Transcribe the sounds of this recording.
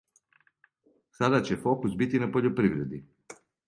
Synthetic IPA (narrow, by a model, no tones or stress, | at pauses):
sad̪at͡ɕefo̞kusbit̪inapoʎopɾiʋɾed̪i